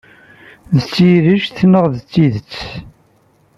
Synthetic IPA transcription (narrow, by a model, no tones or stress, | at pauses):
ðət͡sːiɾəʒθnəʁðt͡sːiðət͡sː